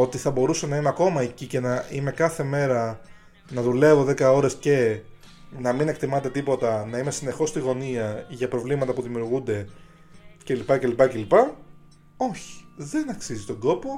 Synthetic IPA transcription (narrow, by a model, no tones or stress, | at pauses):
o̞t̪iθɐbo̞ɾusɐnɐimeɐko̞mɐecice̞nɐime̞kɐθe̞me̞ɾɐ | nɐðule̞vo̞ðe̞kɐo̞ɾe̞sce̞ | nɐmine̞kt̪imɐt̪e̞t̪ipo̞t̪ɐnɐime̞sine̞xo̞st̪iɣo̞niɐʝɐpɾo̞vlimɐt̪ɐpuðimiuɾɣund̪e̞ | ce̞lipɐce̞lipɐce̞lipɐ | o̞çi̥ðe̞nɐksizit̪o̞nɡ̪o̞po̞